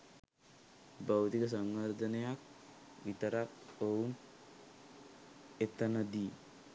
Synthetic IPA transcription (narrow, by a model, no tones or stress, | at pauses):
bawt̪ikəs̬aŋɡəɾd̪ənejak | ʋit̪əɾakoun | et̪ənəd̪iː